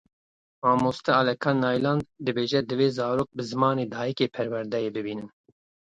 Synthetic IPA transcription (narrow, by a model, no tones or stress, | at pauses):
mɑːmoːst̪ɛɑlɛkʰɑːnːɑːjlɑːnd̪̚d̪ɨbeːʒɛd̪ɨveːzɑːɾoːk̚bɨzɨmɑːneːd̪ɑːjikeːpʰɛɾwɛɾd̪ɛjeːbɨbiːnɨn